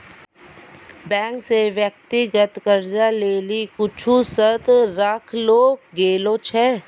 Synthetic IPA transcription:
bɛ̃ːŋkseʋjək̚t̪iɡət̪kəɾd͡ʒaleːlikʊt͡ʃʰusət̪ɾakʰloːɡeːlot͡ʃʰɛː

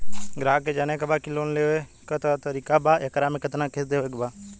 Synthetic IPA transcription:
ɡɾaːked͡ʒanekabakiloːnleʋekət̪at̪əɾiːkabaːekɾamẽkɪt̪nakʰesd̪eʋekbaː

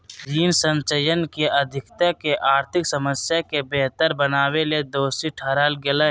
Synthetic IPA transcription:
d͡ʒiːnsə̃nt͡ʃəjənkeʔəd̪ʱɪkt̪akeʔaːɾt̪ʰɪksəməsjakebeɦt̪əɾbənaːweled̪oːsiʈʰaɾaːlɡɪla

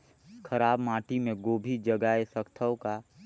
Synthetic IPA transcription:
kʰəɾaːbmaːʈimẽɡoːbʱid͡ʒəɡaːesəkt̪ʰəwka

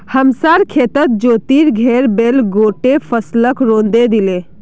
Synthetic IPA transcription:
həmsaːɾkʰeːt̪ət̪̚d͡ʒoːt̪iːɾɡʱɛːɾbeːlɡoːʈepʰəsləkɾõːnd̪ed̪ileː

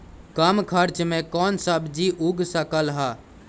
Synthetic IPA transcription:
kamkʰəɾt͡ʃmẽkɔːnsəbd͡ʒiʔuɡsəkəlɦa

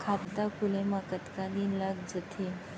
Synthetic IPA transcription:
kʰapt̪akʰulẽmãkət̪kãd̪inlaɡd͡ʒət̪ʰe

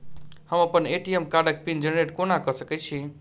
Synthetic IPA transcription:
həməpəneʈiemkaɖək̚pind͡ʒənɾeʈkonakəsəkɛt͡ʃʰi

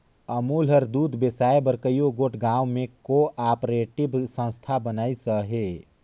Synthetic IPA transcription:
əmuːlɦəɾd̪uːd̪ʱbesaːebəɾkəjoɡoːʈʰɡãːwmẽkoʔaːpɾeːʈɪbsə̃nst̪ʰabənaːisəɦe

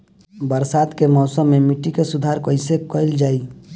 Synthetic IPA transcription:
bəɾsaːd̪kemɔːsəmːẽmɪʈːikesʊd̪ʱaːɾkəɪsekəɪld͡ʒaːi

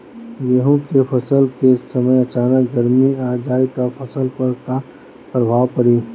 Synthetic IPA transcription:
jeɦũkepʰɐsəlkesəməjɐt͡ʃaːnəkɡəɾmiaːd͡ʒaːɪt̪ɔːɾpʰəsəlpəɾka | pɾəbʱaːʋpɐɽiː

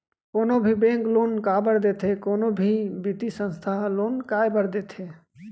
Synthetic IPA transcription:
konobʱibẽŋklonkabəɾd̪et̪ʰɦekonobʱibit̪isə̃nst̪ʰaɦlonkajbəɾd̪et̪ʰɦe

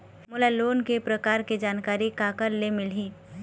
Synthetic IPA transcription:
mʊlaloːnkepɾɐkaːɾked͡ʒaːnkaːɾikaːkəɾlemɪl̤iː

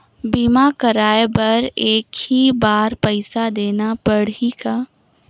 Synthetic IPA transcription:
biːmakəɾaːebɐɾeːkhibaːɾpɛɪsad̪eːnapɐɽ̤ikaː

